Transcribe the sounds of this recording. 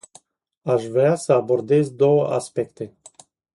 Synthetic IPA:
aʃvɾeasəabo̞rd̪e̞zd̪o̞wəʔa̰spe̞kt̪e

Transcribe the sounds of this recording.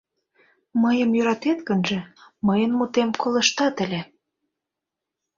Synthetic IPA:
məjəmjøɾɑt̪et̪kənʒĕməjənmut̪emkolə̆ʃt̪ɑt̪ə̆lʲe

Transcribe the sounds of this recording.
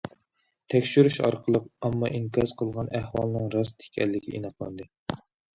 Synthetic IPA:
t̪ʰɛkʲʃyɾyʃɑ̰ɾqʰəlˠəqɑmːɑʔiŋkʰɑz̥qʰəlˠʁɑnʔæhwɑlˠnɨŋɾɑst̪ʰe̥kʲʰɛlːɪkʲḭʔinɑqlˠɑ̰nd̪ɨ

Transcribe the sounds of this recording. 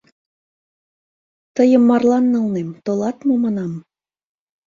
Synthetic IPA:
t̪əjə̆mːɑrlɑnːɤ̆lnemt̪olɑt̪mɤ̆mɑnɑm

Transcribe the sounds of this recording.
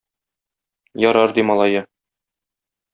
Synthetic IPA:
jɒɾɑɾd̪imɒlˠɑjɤ

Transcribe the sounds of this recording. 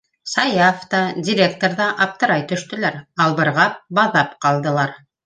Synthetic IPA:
sɑjɑft̪ɑdʲɪɾʲek̚t̪oɾðɑʔɑp̚t̪ɤ̆ɾɑjt̪ɵ̆ʃt̪ɵ̆læɾɑlˠβɤ̆ɾʁɑp̚bɑðɑpqɑlˠd̪ɤ̆lˠɑɾ

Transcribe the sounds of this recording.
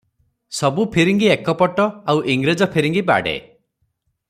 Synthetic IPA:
sɔbupʰiɾiŋɡiekɔpɔʈɔawʔiŋɡɾed͡ʒɔpʰiɾiŋɡiba̰ɽḛ

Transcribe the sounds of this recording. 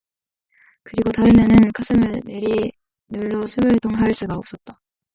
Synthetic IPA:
kɯɾiɡotaɯmjʌnɯnkʰasʰɯmɯɭne̞ɾi | nɯɭːosʰɯbɯɭtoŋɦaɭs͈uɡaʌp̚s͈ʌt̚t͈a

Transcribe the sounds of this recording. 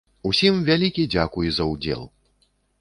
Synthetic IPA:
usʲimvʲalʲikʲid͡zʲakujɛzɐud͡zʲɛ̰lˠ

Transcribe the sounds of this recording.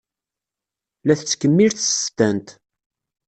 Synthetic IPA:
læθt͡sːkːəmːiɾθst̪ænt̪

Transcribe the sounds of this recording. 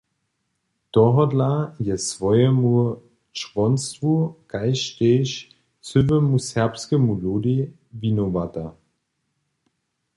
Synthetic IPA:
d̥ɔɦɔdlajɛsvɔʏəmuɐ | t͡ʃv̥ɔnstvuɡ̥aɪʃteːʃ | t͡søvəmushɛɐpskəmuloːdi | vinovata

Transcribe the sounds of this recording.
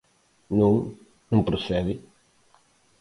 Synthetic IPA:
nũŋ | nũŋpɾosɛðɪ

